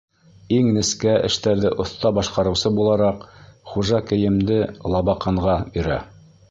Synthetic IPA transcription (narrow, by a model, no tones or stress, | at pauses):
iŋnɘ̆skæʔɘ̰̆ʃt̪æɾðɘʔŏθt̪ɑbɑʃqɑɾɤ̆wsɤbulˠɑɾɑqχuʒɑkɘ̆jɘ̆md̪ɘlˠɑβɑqɑɴʁɑjɵ̆ɾæ̰